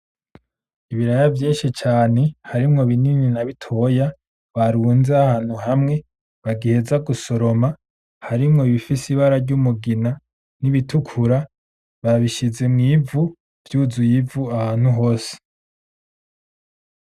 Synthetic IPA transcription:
iβiɾajavjiːnʃit͡ʃaːne̞haɾimŋo̞βinininaβitʰo̞ja | βaɾuːnzeahaːn̥huɦamŋe̞ | βaɡihe̞zaɡuso̞ɾo̞ma | haɾimŋo̞βifisiβaɾaɾɟumuɡina | niβitʰukʰuɾa | βaβiʃize̞mŋiːvu | v̥juːzujivuahaːn̥huɦo̞ːse̥

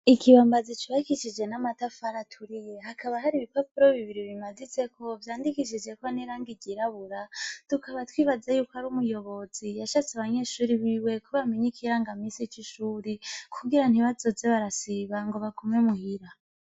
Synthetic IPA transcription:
ikʰiβambazit͡ʃiβahikiʃid͡ʒe̞namatafaɾatʰuɾije̞ɦakʰaβaɦaɾiβipapuɾoβiβiɾiβimazit͡se̞kʰo̞vjaːndikiʃid͡ʒe̞koniɾaːŋɡiɟiɾaβuɾatukʰaβatwiːβad͡zajuːkoaɾumujo̞βo̞zijaʃat͡seaβaɲe̞ːʃuːɾiβiːwe̞kʰuβamiɲikʰiɾaŋɡamisit͡ʃiʃuːɾikʰuɡiɾan̥iβazo̞zeβaɾasiβaŋɡo̞βakʰomemuhiɾa

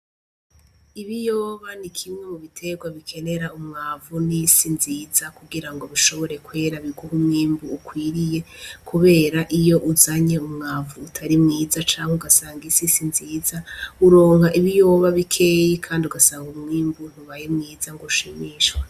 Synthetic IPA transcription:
iβijoːβanikʰimŋe̞muβitʰe̞ɡwaβikʰe̞ne̞ɾaumŋaːvunisinziːzakuɡiɾaŋɡo̞βuʃo̞βo̞ɾe̞kwe̞ɾaβiɡuhumŋiːmbuːkwiːɾije̞kʰuβe̞ːɾaʔijo̞ʔuzaɲe̞umŋaːvuːtʰaɾimŋiːzat͡ʃaːŋ̥heuɡasaːŋɡisisinziːzauɾo̞ːŋhaʔiβijo̞ːβaβikʰe̞jikʰaːndiuɡasaːŋɡumŋiːmbun̥uβajemŋiːzaŋɡoʃiːmiːʃwe

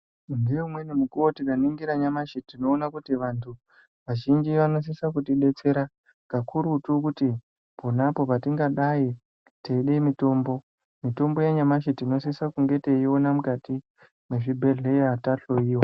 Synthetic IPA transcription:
ndumwenimukuotikaniŋɡiɾaɲamaʃetino̞ːnakutiʋantʰu | ʋaʒind͡ʒiʋano̞s̬isakutiɗe̞t͡se̞ɾa | kakʰuɾutukuti | ponapo̞patiŋɡaɗai | teiɗemito̞ːmbo̞ | mito̞mbo̞jeɲamaʃetino̞sisakuŋɡe̞te̞io̞namukati | mweʐibʱe̞ɮe̞eataɬoiːwa

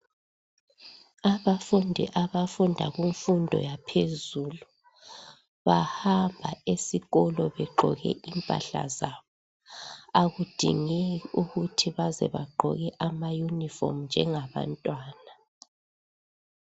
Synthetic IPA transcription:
aβafundʱḭʔaβafundʱaɣiɱfundʱɔ̰japʰezuːlu | βahambʱa̰esiɣɔlɔβɛɡ͡ǃʱɔ̰ɣɛ̰ʔimpʼa̰ɬa̰zaːβɔ | aɣud̥ʱḭŋɛuɣutʰiβazɛ̰βa̰ɡ͡ǃʱɔ̰ɣɛʔamajunifɔ̰m̩nd͡ʒʱɛŋaβa̰ntʼwaːna

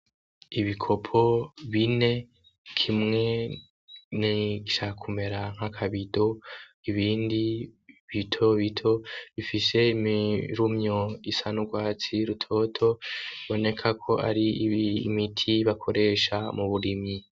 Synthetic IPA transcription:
iβikʰo̞pʰo̞βine̞ | kʰimŋe̞ | niɡiʃakakʰume̞ɾaŋ̥akʰaβido̞iβiːndiβitʰo̞βitʰo̞βifise̞imiɾumɲo̞isanuɡwaːt͡siɾutʰo̞tʰo̞βo̞ne̞kʰakʰo̞ʔa̰ɾḭːmitʰiβakʰo̞ɾe̞ʃamuβuɾimɲi

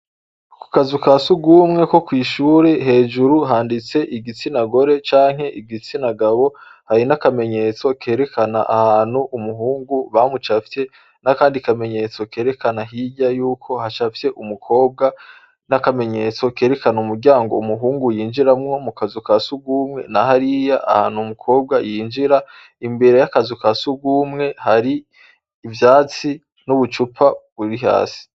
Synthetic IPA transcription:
ku̥kazukaːsuɡumŋe̞ko̞kwiːʃuːɾeɦe̞ːʒuɾuɦaːndit͡se̞ʔiɡit͡sinaɡo̞ɾe̞t͡ʃaːŋ̥he̞ʔiɡit͡sinaɡaβo̞ | haɾinakame̞ɲe̞t͡so̞ke̞ːɾe̞kʰana̰ʔa̰haːn̥huʔumuɦuːŋɡuβamut͡ʃafte̞ | nakaːndikame̞ɲe̞t͡so̞ke̞ːɾe̞kanaɦiɟajuːkʰo̞hat͡ʃafte̞ʔumukʰo̞ːb̚ɡa | nakame̞ɲe̞t͡so̞ke̞ːɾe̞kanaumuɾɟaːŋɡo̞umuɦuːŋɡujiːnd͡ʒiɾamŋo̞mukazukasuɡuːmŋe̞̰nahaɾijaʔa̰haːnhumukʰo̞ːb̚ɡajiːnd͡ʒiɾa | imbe̞ɾe̞jakazukasuɡuːmŋe̞haɾiː | vjaːt͡si | nuβut͡ʃupʰaβuɾiɦa̰ːsi̥

